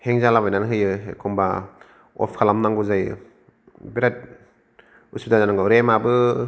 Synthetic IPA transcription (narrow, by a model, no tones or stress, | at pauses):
heŋzalabajnanɦɯjɯḛkʰɔmba | ɔ̰pʰkʰalamnaŋɡuzaj | beɾat̚ | usudazanaŋɡaɾemabɯ